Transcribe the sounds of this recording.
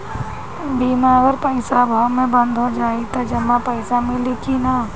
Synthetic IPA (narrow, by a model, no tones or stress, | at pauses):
bimaːɡəɾpəɪsabʱaːmẽbə̃nd̪ʱɦod͡ʒaːit̪ad͡ʒəmːapəɪsamẽlɪkʰinaː